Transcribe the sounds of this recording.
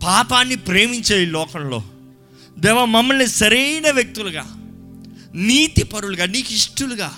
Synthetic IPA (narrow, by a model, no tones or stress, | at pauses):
paːpaːnːipɾeːmiɲt͡ʃeːjilɔːkɐmlo̞̰ː | d̪ɛːʋɐmɐmːɐlnisɐɾejnɐʋjɐk̚t̪uluɡa̰ː | niːt̪ipɐɾuluɡaːniːkiʂʈuluɡaː